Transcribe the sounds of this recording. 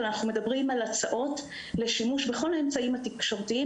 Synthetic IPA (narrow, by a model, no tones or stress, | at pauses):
anaχnume̞dabʁimalat͡saʔo̞t | le̞ʃimuʃbeχo̞laemt͡saimhatikʃo̞ʁtii